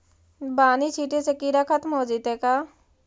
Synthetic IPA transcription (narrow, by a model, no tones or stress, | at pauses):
baːnit͡ʃʰiːʈesekiːɾakʰət̪mɦoːd͡ʒit̪ekaː